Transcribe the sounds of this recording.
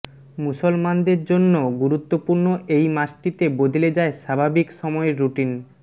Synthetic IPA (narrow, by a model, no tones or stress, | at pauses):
musolmand̪eɾd͡ʑonːoɡuɾut̪ːopuɾnoʔejmaʃʈit̪ebod̪ʱiled͡ʑaeʃabʱabikʃɔmɔeɾɾuʈin